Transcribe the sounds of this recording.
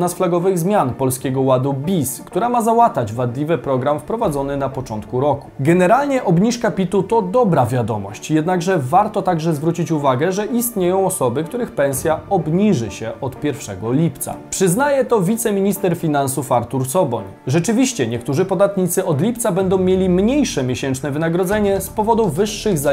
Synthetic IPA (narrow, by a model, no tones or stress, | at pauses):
nasflaɡɔvɘɣzmʲjanpɔlskʲɛɡɔwad̪ubʲiskt̪uɾamazawat̪ad͡ʑvad̪lʲivɘpɾɔɡɾamfpɾɔvad̪zɔnɘnapɔt͡ʂɔnt̪kuɾɔku̥ɡɛnɛɾalɲɛʔɔbɲiʂkapʲit̪ut̪ɔd̪ɔbɾavʲjad̪ɔ̰mɔ̰ɕt͡ɕjɛd̪naɡʐɛvaɾt̪ɔt̪aɡʐɛzvɾut͡ɕit͡ɕuvaɡɛʐɛʔist̪ɲejɔ̃w̃ɔsɔbɘkt̪uɾɘxpɛ̃ñsʲjaɔbɲiʐɘɕɛʔɔt̪pʲjɛɾfʂɛ̰ɡɔlʲipt̪sa̰pʂɘznajɛt̪ɔvʲit̪sɛmʲiɲist̪ɛɾfʲinansufaɾt̪uɾsɔbɔ̰ɲ | ʐɛt͡ʂɘvʲiɕt͡ɕɛɲɛkt̪uʐɘpɔd̪at̪ɲit̪sɘɔd̪lʲipt̪sabɛnd̪ɔ̃w̃mʲjelʲimɲejʂɛmʲjeɕɛnt͡ʂnɛvɘnaɡɾɔd̪zɛɲɛspɔvɔd̪uvɘʂːɘɣza